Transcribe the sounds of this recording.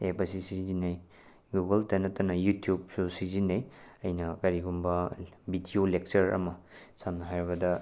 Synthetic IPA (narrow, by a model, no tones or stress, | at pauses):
epɐsisizinɐj | ɡuɡɐltanɐtːɐnɐjutijub̚susizinɐjɐjnɐkɐɾiɡumbɐbidiolek̚t͡ʃɐɾɐ̰mɐsamnɐɦajɾiβɐdɐ